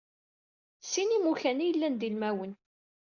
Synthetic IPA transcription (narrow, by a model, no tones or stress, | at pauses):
sːinimuçænijəlːænd̪ilmæwən